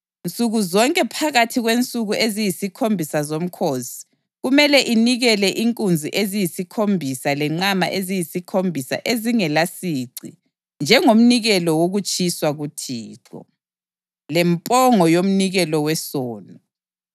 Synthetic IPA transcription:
nt͡sʼuɣuzɔŋkʼɛpʰaɣatʰiɣwent͡sʼuɣuʔezijisikʰombʱisazom̩kʰosi̥ | ɣumɛlɛʔiniɣɛlɛʔiŋkʼund͡zʱiʔezijisikʰombʱisalɛŋ͡ǀama̰ʔezijisikʰombʱisa̰ʔeziŋɛlasiːǀḭ | nd͡ʒʱɛŋom̩niɣɛlɔwoɣut͡ʃʰʼiswaɣutʰiːǀɔ̰ | lɛmpʼɔŋɔjom̩niɣɛlɔwɛsɔːnɔ

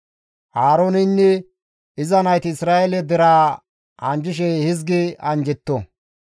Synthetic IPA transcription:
haːɾoːnɪnːɛ | ɪzɐnɐjt̪ɪɪsɾaːʔelɛd̪ɛɾaː | ɐnd͡ʒɪʃ̬ɛhɪzɡɪɐnd͡ʒɛt̪ːɔ

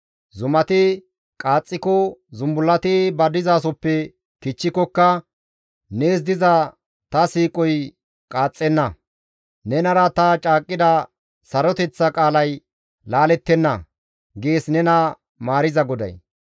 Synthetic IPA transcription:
zʊmɐt̪ɪ | kʼaːt͡sʼːɪkɔzʊmbʊlːɐt̪ɪbɐd̪ɪzaːs̬ɔpːɛ | kɪt͡ʃːɪkɔkːɐ | neːs̬d̪ɪzɐ | t̪ɐsiːkʼɔj | kʼaːt͡sʼːɛnːɐ | nɛnɐɾɐt̪ɐt͡ʃʼaːkʼːɪd̪ɐ | sɐɾɔt̪ɛt͡sːɐkʼaːlɐj | laːlɛt̪ːɛnːɐ | ɡeːsnɛnɐ | maːɾɪzɐɡɔd̪ɐ̰j

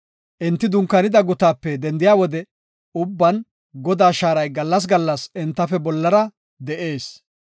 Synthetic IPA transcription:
ʔɪnt̪ːɪd̪ʊŋkːɐnɪd̪ɐɡʊt̪aːpːɛd̪ɛnd̪ɪjaːwɔd̪ɛ | ʊbːɐn | ɡɔd̪aːʃaːɾɐjɡɐlːɐs̬ɡɐlːɐsɪnt̪ːɐfɛbɔlːɐɾɐ | d̪ɛʔe̞ːs

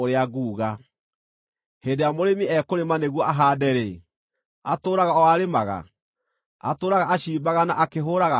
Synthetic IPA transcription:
oɾeaɡuːɣa | heːndejamoɾemiɛkoɾemaneɣwɔʔaɦadɛɾe | atoːɾaɣaɔaɾemaɣa̰ | a̰toːɾaɣaːɕiːbaɣanaʔakeɦoɾaɣa

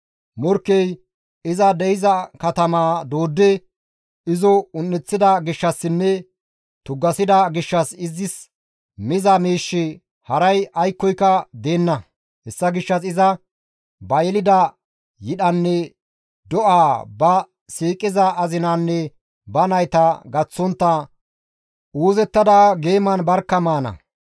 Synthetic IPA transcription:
mɔɾkːɛj | ɪzɐd̪ɛjɪzɐkɐt̪ɐmaːd̪oːd̪ːɛ | ɪzɔʊnːɛt͡sːɪd̪ɐɡɪʃːɐsːɪnːɛ | t̪ʊɡːɐsɪd̪ɐɡɪʃːɐsɪzɪs | mɪzɐmiːʃːɪ | hɐɾɐjʔɐjkːɔjkːɐd̪e̞ːnːɐ | hɛsːɐɡɪʃːɐsɪzɐ | bɐjɛlɪd̪ɐ | jɪɗɐnːɛ | d̪ɔʔaːbɐ | siːkʼɪzɐʔːzɪnaːnːɛ | bɐnɐjt̪ɐɡɐt͡sːɔnt̪ːɐ | uːzɛt̪ːɐd̪ɐɡe̞ːmɐnbɐɾkːɐmaːnɐ̰

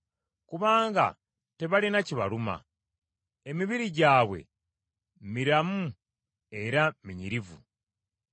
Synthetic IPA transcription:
kuβaːŋɡa̰ | te̞βalinaciβa̰luma̰ | e̞miβiɾiɟaːwe̞̰ | miɾamu | e̞ɾamiɲiɾivṵ

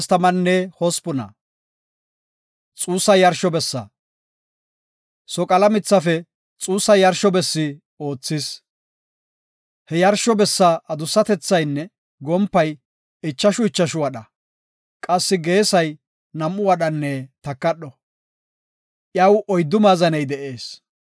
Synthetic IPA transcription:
st̪ɐmɐnːɛhɔspʊnɐ̰ | t͡sʼuːsːɐjɐɾʃɔbɛsːɐ̰ | sɔkʼɐlɐmɪt͡sːɐfɛ | t͡sʼuːsːɐjɐɾʃɔbɛsːɪ | o̞ːt͡sːɪs | hɛjɐɾʃɔbɛsːɐʔɐd̪ʊsːɐt̪ɛt͡sːɐjnːɛ | ɡɔmpːɐj | ɪt͡ʃːɐʃʊɪt͡ʃːɐʃʊwɐɗɐ | kʼɐsːɪɡe̞ːsɐj | nɐmːʊwɐɗɐnːɛt̪ɐkːɐɗɔ | ʔjɐwɔjd̪ːʊmaːzɐnɛjd̪ɛʔe̞ːs

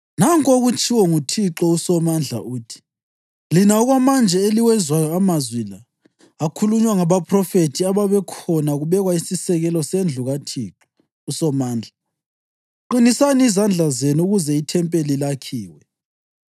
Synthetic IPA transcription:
naŋkʼoɣut͡ʃʰʼiwɔŋutʰiǁɔusɔmand͡ɮʱa̰uːtʰi̥ | linaɔɣwamand͡ʒʱɛeliwɛzwajɔamazwilaː | kʰuluɲwaŋaβapʰʼrɔfetʰiaβaβɛkʰɔnaɣuβɛɣwaisisɛɣɛlɔsend͡ɮʱuɣatʰiːǁɔ | usɔmaːnd͡ɮʱa | ǃinisaniizand͡ɮʱazenuɣuzɛitʰɛmpʼelilakʰiːwɛ

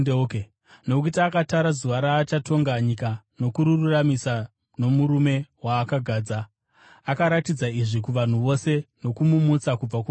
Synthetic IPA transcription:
eke | nokuitaːkataɾazuʋaɾaːt͡ʃatʰo̞ŋɡaɲika | no̞kuɾururamisa | no̞muɾume̞waːkaɡʱaːd͡za | akaɾatid͡zaiʐikuʋan̤uʋo̞se̞no̞kumumut͡sakub͡vak

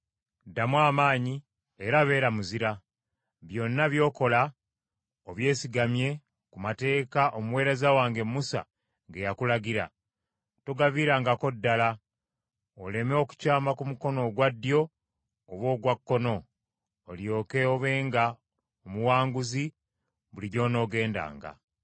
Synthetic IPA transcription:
damwaːmaːɲi | eɾaβe̞ːɾamuziɾa | βjo̞nːaβjo̞ːko̞la | oβje̞ːsiɡamje̞ | kumate̞ːkaʔomuwe̞ːɾezawaːŋɡe̞mːusa̰ | ŋɡejakulaɡiɾa̰ | tuɡaviːɾaːŋɡako̞dːala | ole̞meo̞ku̥caːmakumuko̞no̞ɡwadːjo̞ː | βwo̞ːɡwakːo̞no̞ː | ljo̞ːke̞oβe̞ːŋɡa | omuwaːŋɡuzi | βuliɟo̞ːno̞ːɡe̞ːnda̰ːŋɡa̰

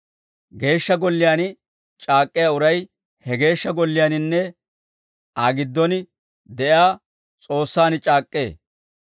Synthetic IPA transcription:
ɡe̞ːʃːɐɡɔlːɪjaːnɪ | t͡ʃʼaːkʼːɪjaːʊɾɐj | hɛɡe̞ːʃːɐɡɔlːɪjaːnɪnːɛ | aːɡɪd̪ːɔnɪ | d̪ɛʔaː | t͡sʼo̞ːsːaːnɪt͡ʃʼaːkʼːe̞ː

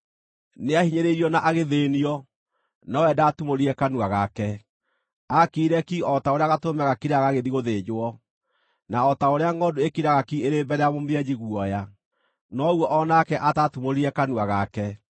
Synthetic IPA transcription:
neahiɲeɾeiɾiɔnaʔaɣeðeniɔ | nɔwɛdaːtumoɾiɛkanuaɣakɛ | akiiɾɛkiɔtaoɾeaɣatomɛɣakiɾaɣaɣeðiɣoðed͡ʑoɔ | naɔtaoɾeaŋɡɔduekiɾaɣakieɾebɛɾɛamomjɛd͡ʑiɣwɔja | nɔuɔʔɔnakɛʔatatumoɾiɛkanuaɣakɛ

